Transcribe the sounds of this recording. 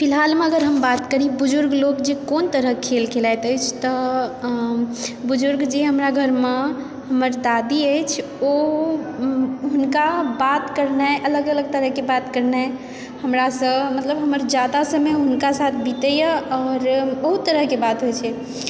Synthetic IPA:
pʰilɦalmeəɡəɾɦəmbat̪kəɾibud͡ʒuɾɡlokd͡ʒekont̪əɾəɦkʰelkʰelajt̪əjt͡ʃʰt̪ɔ | bud͡ʒuɾɡd͡ʒeɦəmɾaɡʱəɾme | ɦəməɾd̪ad̪iəjt͡ʃʰ | o | ɦunkabat̪kəɾnaʔələɡələɡ̚t̪əɾəɦkebat̪kəɾna | həmɾasə̃mət̪ləbɦəməɾd͡ʒad̪asəmeɦunkasat̪ʰbit̪əjəɔːɾbəɦut̪ːəɾəɦkebat̪ɦojt͡ʃʰɛ

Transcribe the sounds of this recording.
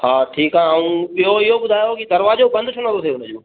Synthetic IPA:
haːʈʰiːkãaːũɓijoɪɦobʊd̪ʱaːjokid̪ɐɾʋaːd͡ʑobɐ̃nd̪ʱʊʈʰɐñə̃t̪oseʊnə̆d͡ʑoː

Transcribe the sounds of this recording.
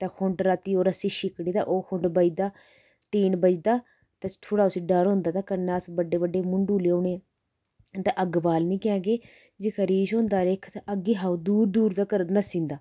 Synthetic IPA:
t̪ãːkʰʊɳɖɾaːt̪iːoːɾəsiːʃɪkɽiːt̪a̰ːʔoːkʰʊɳɖbəd͡ʒd̪aː | ʈiːnbəd͡ʒd̪aː | t̪ãːt̪ʰoːɽaːʊsiːɖəɾɦʊ̃nd̪aːt̪aːkənaəsbəɖeːbəɖeːmʊɳɖuːleːoːɳeː | t̪ãʔəɡbaːlnĩːkjãːɡeː | d͡ʒekʰəɾiːd͡ʒɦõːnd̪aːɾekʰt̪aʔəɡeːɦaːd̪uːɾd̪uːɾd̪aːkəɾnəsĩːnd̪aː

